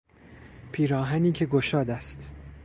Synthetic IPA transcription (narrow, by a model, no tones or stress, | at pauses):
pʰiːɾɒːɦæniːcʲʰe̞ɡoʃɒːd̪æst̪